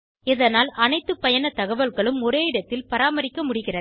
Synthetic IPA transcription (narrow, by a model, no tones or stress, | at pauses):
ɛðɐnaːlʔɐnɐɪt̪ːɯpːɐjɐnɐt̪ɐɣɐʋɐlɣɐɭɯmɔɾeːɪɽɐt̪ːɪlpɐɾaːmɐɾɪkːɐmʊɽɪɣɪrɐ